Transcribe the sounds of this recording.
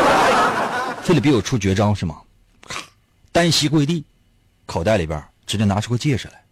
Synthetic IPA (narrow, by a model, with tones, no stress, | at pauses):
fe˥˧li˨˩pi˧˥jo˨˩ʊʈ͡ʂʰu˥t͡ɕɥɛ˧˥ʈ͡ʂɑ˥ŋʂɻ̩˥˩mə̰˩ | t̪a˥nɕi˧˥kwe˥˧ɪt̪i˥˩ | kʰɑ˨˩ʊt̪a˥˩ɪli˧˥bjə̰˧˥ | ʈ͡ʂɻ̩˧˥də˥˧na˧˥ʈ͡ʂʰu˥kwɔ˥˧t͡ɕjɛ˥˩ʈ͡ʂʰu˨˩la̰˧˦ɪ